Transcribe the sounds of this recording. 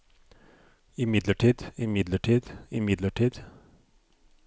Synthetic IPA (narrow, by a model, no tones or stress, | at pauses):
ɪmɪd̪ləʈʰiːd̪ɪmɪd̪ləʈʰiːd̪ɪmɪd̪ləʈʰiːd̪